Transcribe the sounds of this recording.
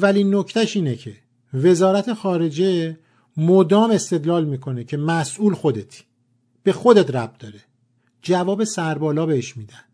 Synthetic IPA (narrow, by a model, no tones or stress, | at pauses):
væliːnːocʰt̪æʃiːnecʰe̞ | ve̞zɒːɾæt̪ʰe̞xɒːɾe̞d͡ʒe | mod̪ɒːme̞st̪e̞d̪lɒːlmiːkʰo̞necʰe̞mæsʔuːlxo̞d̪et̪ʰ | b̥e̞xo̞d̪e̞t̪ɾæb̚d̪̥ɒːɾe | d͡ʒævɒːbe̞sæɾbɒːlɒːbeheʃmiːd̪ænd̪̥